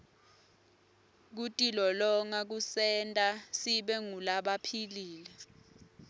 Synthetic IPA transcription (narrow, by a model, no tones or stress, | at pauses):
k̬utʼilɔlɔŋak̬usɛntʼasiɓɛŋulaɓapʰiliːlɛ